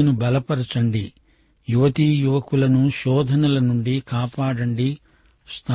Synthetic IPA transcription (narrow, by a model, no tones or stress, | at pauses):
nubɐlɐpɐɾɐt͡ʃɐɳɖi | juʋɐt̪ijuʋɐkulɐnuʃɔːd̪ʱɐnɐlɐnuɳɖikaːpaːɽɐɳɖi | st̪ʰa